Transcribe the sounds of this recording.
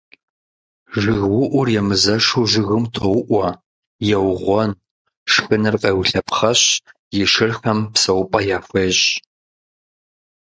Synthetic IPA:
ʒɪɣwʊʔʷʊrjɛmɨzɐʂuʒɪɣɨmtʰowʊʔʷɔ | jɛwʁʷɔn | ʂxɨnɨrqʼɐːwɬɐpʰχɐɕ | jɪʂɨrxɐmpsɐwʊpʼɐjaːxʷeːɕ

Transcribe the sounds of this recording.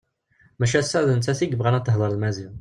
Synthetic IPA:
mæʃæsæðənt̪ːæθiɡəbʁænæt̪ːəɦðˤəɾˤəlmæzin

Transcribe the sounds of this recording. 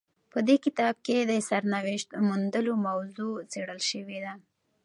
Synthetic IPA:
pəd̪ekɪt̪ɑb̚ked̪əsaɾnawɪʃt̪mund̪əlomawzot͡seɽəlʃəwed̪a

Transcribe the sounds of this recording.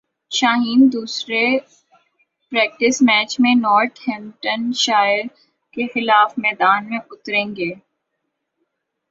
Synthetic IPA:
ʃaːɦiːnd̪uːsɾe | pɾɛːk̚ʈɪsmɛːt͡ʃmẽnɔːɾʈhɛmʈənʃaːɪɾ | kexɪlaːfmɛːd̪aːnmẽʊt̪ɾẽːŋɡeː

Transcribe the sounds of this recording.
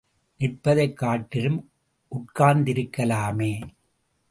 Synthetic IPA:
nɪrpːɐðɐɪkːaːʈːɪɾɯm | ʔʊʈ̚kaːnd̪ɪɾɯkːɐlaːmeː

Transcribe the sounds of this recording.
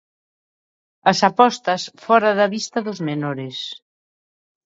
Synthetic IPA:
ɐsapɔst̪ɐsfɔɾaðɐβist̪ɐðʊzmenoɾɪs

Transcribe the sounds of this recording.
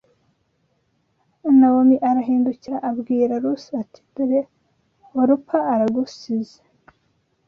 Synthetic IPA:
nawomiʔaɾaɦiːnduciɾaʔabɡiːɾaɾusatʰi̥diɾe | oɾupʰaːɾaɡusize̥

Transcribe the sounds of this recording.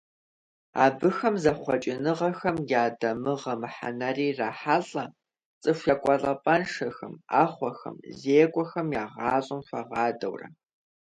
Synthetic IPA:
a̰ːbɨxɐmzɐχʷɔt͡ʃʼɪnɨʁɐxɐmjaːdɐmɨʁɐmɨħa̰nɐriːraːħaːɬʼɐ | t͡sʼɨʃʷɐkʷʼɔɮʼɐpʼɐnʂɐxɐma̰ːχʷɔxɐ̰mzeːkʷʼɔxɐmjaːʁɑːɕʼɪmfɐʁɑːdɐ̰wrɐ̰

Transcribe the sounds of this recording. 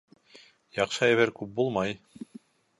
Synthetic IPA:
jɑqʃɤæβæɾkʉp̚bulˠmɑj

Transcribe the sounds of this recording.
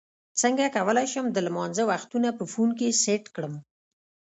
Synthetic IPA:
t͡səŋɡakawəlajʃəmd̪əlmɑnzəwaxt̪unapəfunk̬eseʈkɽəm

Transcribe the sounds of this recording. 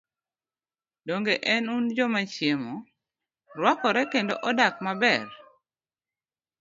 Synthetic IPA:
doŋɡeʔɛnund͡ʒɔmat͡ʃjemo | rwakɔɾɛkendoʔɔdakmabɛr

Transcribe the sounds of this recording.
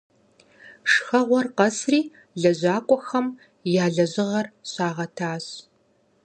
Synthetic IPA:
ʂxɐʁʷɔrqɐsriː | ɮɐʑaːkʷʼɔxɐm | jaːɮɐʑɪʁɐrɕaːʁɐtʰaːɕ

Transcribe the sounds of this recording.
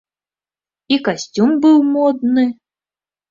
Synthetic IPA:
ikasʲtʲumbɨwmɔd̪nɨ

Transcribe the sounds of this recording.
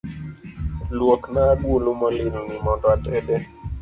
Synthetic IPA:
lwoknaɡwolomɔlɪlnimɔndɔatɛdɛ

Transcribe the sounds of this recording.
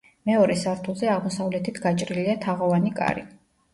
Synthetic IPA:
mɛɔɾɛsaɾt̪ʰulˠzɛaʁmɔsavlɛt̪ʰit̪ʰɡat͡ʃʼɾiliat̪ʰaʁɔvanikʼa̰ɾḭ

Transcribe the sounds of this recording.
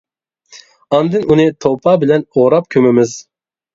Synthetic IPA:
ɑnd̪ɨnunɨt̪ʰopʰɑːbɪlɛnoɾɑp̚kʲʰømɪmɪz

